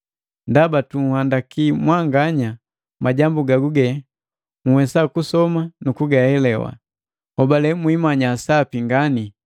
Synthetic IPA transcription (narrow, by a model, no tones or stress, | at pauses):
ndabatuŋhandakimwaŋɡaɲa | maɟambuɡaɡuɡɛ | ŋ̩wɛsakusɔmanukuɡahɛlɛwa̰ | hɔbalɛmwimaɲasapiŋɡani